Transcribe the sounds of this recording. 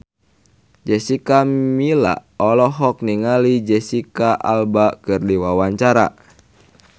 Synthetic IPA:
d͡ʒɛsikamila̰ɔlɔɦɔk̚niŋalid͡ʒɛsikaʔa̰lbakɨrdiwawaɲt͡ʃaɾa̰

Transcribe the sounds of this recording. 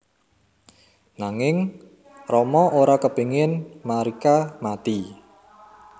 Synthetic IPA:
naŋɪŋ | rɔmɔʔoɾakəpe̤ŋɪnmaɾikamat̪i

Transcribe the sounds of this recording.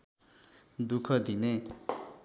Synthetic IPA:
d̪ukʰʌd̪ine

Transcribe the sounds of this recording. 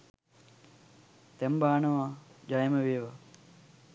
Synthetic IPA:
t̪embaːnɐʋad͡ʒajmɐʋeːʋɐ

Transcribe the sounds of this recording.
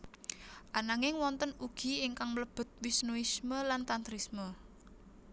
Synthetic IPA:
ʔanaŋɪŋwɔnt̪ənuɡ̥i̤iŋkaŋmləb̥ə̤t̪̚wɪsnuisməlant̪ant̪ɾismə

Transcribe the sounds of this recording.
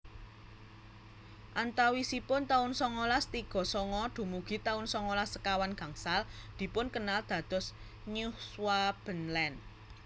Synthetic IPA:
ʔant̪awisipʊnt̪aʊnsɔŋɔlast̪iɡ̥ɔ̤sɔŋɔɖ̪̥ṳmuɡ̥i̤t̪aʊnsɔŋɔlasəkawanɡ̥ä̤ŋsald̪̥i̤pʊnkənald̪̥ä̤d̪̥ɔ̤s | ɲuswab̥ə̤nlɛn

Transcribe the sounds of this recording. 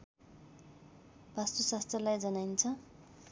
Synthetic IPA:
bʱast̪usast̪rʌlajd͡zʌnajnt͡sʰʌ

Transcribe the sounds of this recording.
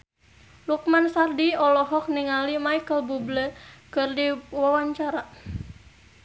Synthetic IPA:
luk̚mansardiɔlɔɦɔk̚niŋalimaikəlbubləkɨrdiwawaɲt͡ʃaɾa

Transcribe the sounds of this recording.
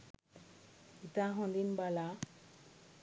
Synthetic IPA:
it̪ãɦɔ̃nd̪inbala

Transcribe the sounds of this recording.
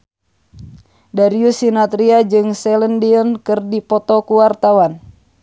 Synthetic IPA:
daɾiusinat̪ɾiad͡ʒɨŋsɛləndiɔnkɨrdipɔt̪ɔkuwart̪awan

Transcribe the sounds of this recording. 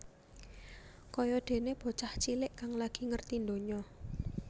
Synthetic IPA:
kɔjɔɖ̪̥e̤neb̥o̤t͡ʃaht͡ʃilɪʔkaŋlaɡ̥i̤ŋərt̪ind̪o̤ɲɔ

